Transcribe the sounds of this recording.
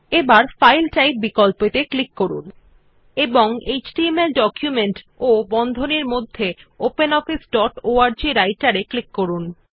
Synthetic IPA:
ebaɾfajlʈajp̚bikolpet̪eklikːoɾṵn | eboŋet͡ɕʈiemelɖɔkjumeɳʈ | obɔnd̪ʱoneɾmod̪ʱːeopenɔfisɖɔʈoaɾd͡ʑiɾajʈaɾeklikːoɾun

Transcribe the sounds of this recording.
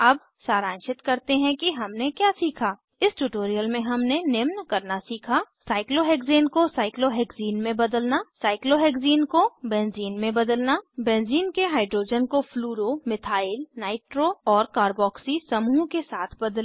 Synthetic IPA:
ɐb | saːɾãːnʃɪt̪kɐɾt̪eɦɛ̃kiɦɐmnekjaːsiːkʰaː | ɪsʈuːʈoːɾijəlmẽɦɐmnenɪmnkɐɾnasiːkʰasaːɪkloɦɛːkzeːnkosaːɪkloɦɛːkziːnmẽbɐd̪əlnasaːɪkloɦɛːkziːnkobɛ̃ːnziːnmẽbɐd̪əlnabɛ̃ːnziːnkeɦaːɪɖɾoːd͡ʒənkopʰluːɾomɪt̪ʰaːɪlnaːɪʈɾoɔːɾkaːɾbɔːksisɐmuːɦkesaːt̪ʰbɐd̪l

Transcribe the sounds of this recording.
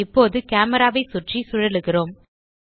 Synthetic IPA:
ɪpːoːðɯkaːmɐɾaːʋɐɪsʊʈrisʊɻɐlɯɣɪroːm

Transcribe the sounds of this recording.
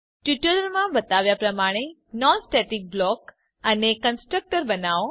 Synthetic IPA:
ʈuʈəɾəɾmãbət̪aʋjapɾəmaɽ̃e | nɔnsʈeʈik̚blɔk | ənekənsʈɾək̚ʈəɾbənaʋ

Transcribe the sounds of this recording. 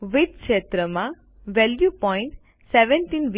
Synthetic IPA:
ʋid̪kʃet̪ɾəmã | ʋɛljupɔɪ̃ɳʈ | sɛʋɛ̃nʈiːnʋ

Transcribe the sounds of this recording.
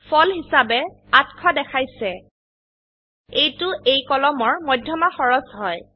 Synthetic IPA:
pʰɔlhisabɛ | atkʰɔdɛkʰajsɛ | ejtʊʔejkɔlɔmɔɹmɔjdʱjɔmaxɔɹɔsɦɔj

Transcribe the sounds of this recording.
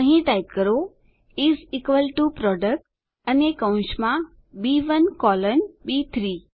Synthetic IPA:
ɐ̃ɦĩʈaːɪʈ̚kəɾo | iziːkʋəlʈupɾɔːɖək̚ʈ | ɐnekãʊ̃ʃmã | biːʋɐnkɔːlənɓiːt̪ʰɾiː

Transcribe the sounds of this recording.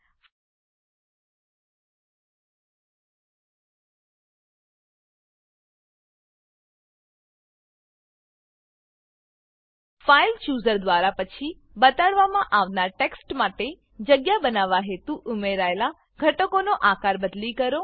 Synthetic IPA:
failt͡ʃuzəɾd̪ʋaɾapət͡ʃʰi | bət̪aɭʋamãʔaʋnaɾʈeksʈmaʈe | d͡ʒəɡjabənaʋaɦet̪uʔʊmeɾaela | ɡʱəʈəkonoʔakaɾbəd̪likəɾo

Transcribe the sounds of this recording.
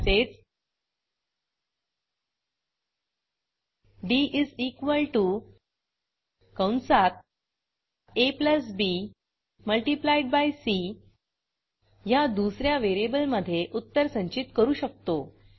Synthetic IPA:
set͡s | ɖiʔid͡zikʋəlʈu | kəwnsat̪̚ | epləsbi | məlʈiplaiɖ̚bajsi | jad̪usɾjaʋeɾiebəlməd̪ʱːjeʔut̪ːəɾsə̃ɲt͡ɕit̪kəɾuːɕək̚t̪o

